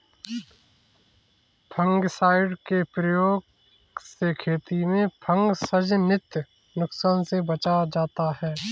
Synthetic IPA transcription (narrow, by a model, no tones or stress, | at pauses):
pʰə̃ŋɡsaːɪɖkepɾəjoːɡ | sekʰeːt̪imẽpʰə̃ŋɡsəd͡ʒnɪt̪j | nʊksaːnsebɐt͡ʃad͡ʒaːt̪aɦɛː